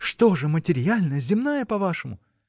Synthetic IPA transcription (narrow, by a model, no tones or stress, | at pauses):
ʂt̪o̞ʐɨmətʲɪɾʲjalʲnəjəzʲɪmnajəpɐvaʂɨmʊ